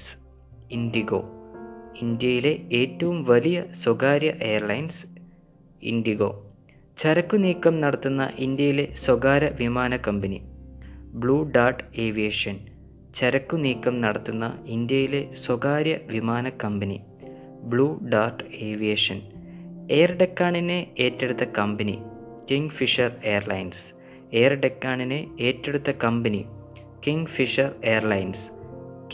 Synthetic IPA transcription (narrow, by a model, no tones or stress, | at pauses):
ind̪iɣo̰ː | ind̪jɐjile̞eːtːɐʋumʋɐlijɐswɐɡaːɾjɐʔejɐrlɐjns | ḭnd̪iɣo̞̰ː | t͡ɕɐɾɐkːuniːkːɐmnɐɽɐt̪ːunːɐ̰ʔind̪jɐjile̞swɐɡaːɾɐʋimaːnɐkːɐmbɐni | bɭuːɖaːrʈeːʋijeʂɐn | t͡ɕɐɾɐkːuniːkːɐmnɐɽɐt̪ːunːɐ̰ind̪jɐjile̞swɐɡaːɾjɐʋimaːnɐkːɐmbɐnḭ | bɭuːɖaːrʈeːʋijeːʂɐne̞ːrɖekːaːɳineeːtːeɽut̪ːɐkɐmbɐnḭ | kiŋɡfiʂɐre̞ːɐrlɐjns | eːrɖekːaːɳineeːtːe̞ɽut̪ːɐkɐmbɐni | kiŋɡfiʂɐre̞ːɐrlɐjns